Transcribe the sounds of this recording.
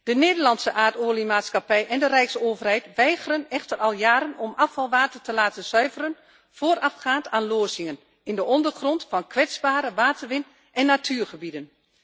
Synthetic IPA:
d̥əneːdərlɑnsəʔaːtoəlimaːtskapɛjʔɛndərɛjksoːvərhɛjtʋɛjɣərənɛxtərɑlˠjaːɾənɔmɑfɑlˠʋaːtərtəlaːtəsœɥvərən | foːərɑfxaːntʰaːnloːsɪŋən | ɪndəɔndərxrɔntfɑnkʰʋɛt͡sbaːɾəʋaːtʰərʋɪn | ɛnːatʰyːrxəbidən

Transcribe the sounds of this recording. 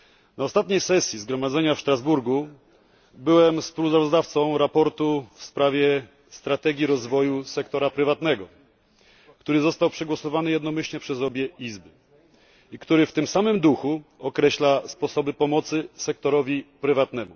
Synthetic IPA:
naɔst̪at̪ɲejsɛsʲjizɡɾɔmad̪zɛɲafʂt̪ɾazbuɾɡu | bɘwɛmspuwsavɔzd̪aft̪sɔ̃w̃ɾapɔɾt̪ufspɾavʲjɛ | st̪ɾat̪ɛɡʲjiɾɔzvɔjusɛkt̪ɔɾapɾɘvat̪nɛɡɔ | kt̪uɾɘzɔst̪awpʂɛɡwɔsɔvanɘjɛd̪nɔmɘɕɲɛpʂɛzɔbʲjɛizbɘ | ikt̪uɾɘft̪ɘmsamɘmd̪uxuɔkɾɛɕlaspɔsɔbɘpɔmɔt̪sɘsɛk̚t̪ɔɾɔvʲipɾɘvat̪nɛmṵ

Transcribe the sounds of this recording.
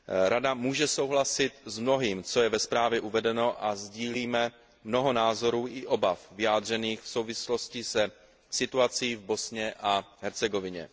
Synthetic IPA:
ɾadamuːʒɛso̞wɦlasɪt̪zmno̞ɦiːmt͡so̞jɛvɛspɾaːvjɛʔuvɛdɛno̞ʔazɟiːliːmɛ | mno̞ɦo̞naːzo̞ɾuːʔɪʔo̞bafvɪjaːd̪r̝ɛniːxfso̞wvɪslo̞scɪsɛ | sɪt̪uat͡siːvbo̞sɲɛʔaɦɛɾt͡sɛɡo̞vɪɲɛ̰

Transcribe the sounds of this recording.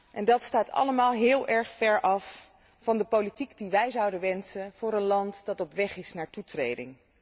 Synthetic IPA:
ʔɛndɑtstaːtɑ̰ləmaːlˠɦɪːlˠʔɛɹχfɛɹʔɑfː | ɑndəpowlitikdiʋɛjzɑwdənʋɛnsənv̥ʊːɾənlɑntd̥ɑtɔpʋɛχɪsnaːɹtutrḛjdɪ̰ŋ

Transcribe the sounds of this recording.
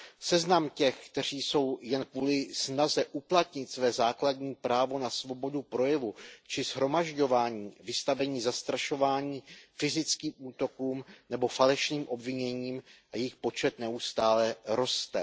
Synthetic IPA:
sɛznamcɛxkt̪ɛr̝iːso̞wjɛnkvuːlɪsnazɛʔuplat̪ɲɪt̪svɛːzaːkladɲiːpɾaːvo̞nasvo̞bo̞dupɾo̞jɛvut͡ʃɪzɦɾo̞maʒɟo̞vaːɲiːvɪst̪avɛɲiːzast̪ɾaʃo̞vaːɲiːfɪzɪt͡skiːmʔuːt̪o̞kuːmnɛbo̞falɛʃniːmʔo̞bvɪɲɛɲiːmʔajɪxpo̞t͡ʃɛt̪nɛust̪aːlɛɾo̞st̪ɛ

